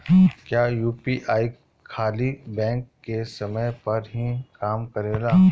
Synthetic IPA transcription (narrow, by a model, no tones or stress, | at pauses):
kjaːjuːpiːʔaːi | kʰaːlibɛ̃ːŋkːesɐməjpɐɾɦikaːmkɐɾeːɡaː